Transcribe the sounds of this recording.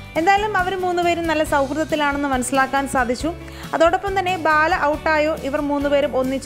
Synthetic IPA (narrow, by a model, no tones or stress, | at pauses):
e̞nd̪aːjɐlumɐʋɐɾumuːnːupe̞ːɾumnɐlːɐsɐwkrɨðɐt̪ːilaːɳenːɨmɐnɐsilaːkːaːnsaːd̪ʱit͡ɕːu | ɐðo̞ːɽopːɐmt̪ɐnːe̞baːlɐʔɐwʈːaːjo̞ːʔiʋɐrmuːnːupeːɾumo̞nːit͡ɕː